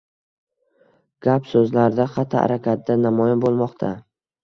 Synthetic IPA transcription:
ɡ̥ʲapsɵzlaɾd̪aqʰɑt̪ʰːa̰ɾakʲʰat̪̚d̪anamɒjɪnbolˠmɒqt̪ʰa

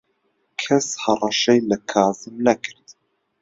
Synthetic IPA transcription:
kʰɐshɐrˤɑʃɛjlɐkʰɑːzɨmnɐkʰɨɾd̪̥

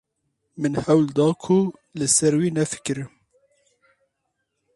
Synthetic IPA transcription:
mɨnhɛwld̪ɑːkʰulɨsɛɾwiːnɛfɨ̥kɨɾ

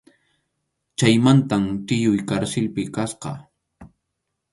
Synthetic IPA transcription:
t͡ʃajmant̪amt̪ɪjʊjkaɾsɪlpɪkasqɑ̰

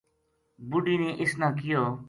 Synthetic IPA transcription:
bʊɖiːneːʔɪsnãːkɪjoː

